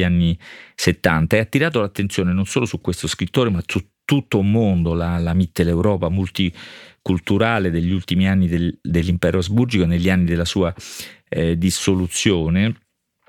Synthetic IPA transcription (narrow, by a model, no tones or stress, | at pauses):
anːiset̪ːant̪aɛat̪ːiɾaːt̪olat̪ːent̪sjoːnenonsoːlosukːwest̪oskɾit̪ːoːɾemasut̪ːut̪ːoulmond̪olalamit̪ːelewɾɔːpamult̪ikult̪uɾaːled̪eʎːiult̪imianːid̪ed̪elːimpɛːɾʔoazburd͡ʒikoneʎːianːid̪elːasuːa | d̪isːolut̪sːjoːne